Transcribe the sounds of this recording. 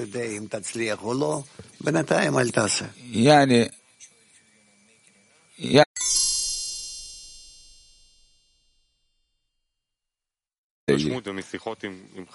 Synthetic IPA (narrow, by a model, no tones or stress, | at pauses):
od̪eimt̪at͡sliaχulobenat̪ajimalt̪asḛjaʕni | ja | mut̪emesiχot̪imim